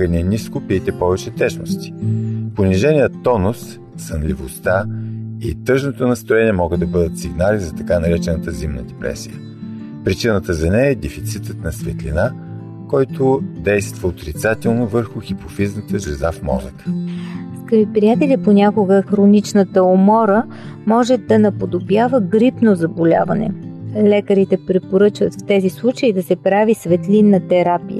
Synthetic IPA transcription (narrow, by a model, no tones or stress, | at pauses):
ənɛniskʊpiɛt̪ɛpɔvɛt͡ʃɛt̪ɛʃno̰st̪i̥poniʒɛnʲiət̪ːɔnosː | ɐnlʲivost̪aḭt̪ɤʒnot̪onɐst̪ɾʊɛniɛmɔɡəd̪ɐbɤd̪ət̪siɡnalizɐt̪ɐkanɐɾɛt͡ʃɛnət̪əzimnə̰d̪ɛpɾɛ̰sḭjə | pɾit͡ʃinət̪əzɐnɛjɛd̪ɛfit̪sit̪ət̪nɐsvɛt̪lḭna | kɔjt̪ʊd̪ɛjst̪vəot̪ɾit̪sat̪ɛlˠnovəɾxʊxipofiznət̪əʒɛzafmɔ̰zə̰t̪ə̥skəɾipɾijat̪ɛlʲiponʲakʊɡəxɾonit͡ʃnət̪əomɔɾə | mɔʒɛd̪ɐnɐpod̪objavəɡɾipnozɐbolʲa̰vɐnɛ̰lɛkəɾit̪ɛpɾɛpoɾɤt͡ʃvət̪ft̪ɛzislˠut͡ʃəid̪ɐsɛpɾavisvɛt̪linːət̪ɛɾapijə̰